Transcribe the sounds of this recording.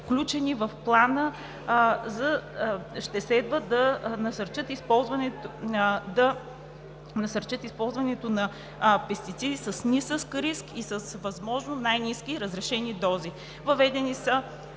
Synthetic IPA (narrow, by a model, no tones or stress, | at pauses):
fklʲut͡ʃɛnivɐfplˠanə | zɐəʃt̪ɛslɛd̪vəd̪ɐnɐsɐɾt͡ʃət̪ispɔlˠzvɐnɛt | d̪ɐ | nɐsəɾt͡ʃət̪ispɔlˠzvɐnɛt̪onɐ | pɛst̪it̪sid̪isɐsnisəskɾiskisəsvɐzmɔʒnonajniskiɾəzɾɛʃɛnid̪ɔzi | vɐvɛd̪ɛnisə